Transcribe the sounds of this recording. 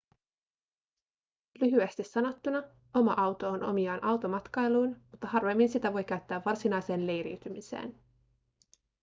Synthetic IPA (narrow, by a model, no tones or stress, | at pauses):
lyɦyest̪isːɑno̞t̪ːunɑ | o̞mɑ̰ʔɑwt̪o̞onʔo̞̰miɑːnʔɑwt̪o̞mɑt̪kɑjluːnmut̪ːɑhɑrʋe̞mːinsit̪æʋo̞jkæɥt̪ːæːʋːɑrsinɑjse̞ːnle̞jɾḭwt̪ymisḛːn